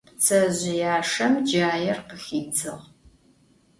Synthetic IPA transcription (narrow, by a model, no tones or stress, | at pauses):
t͡sʰɐʑɪjaːʂɐmd͡ʒaːjɛrqəxiːt͡sʰɨʁ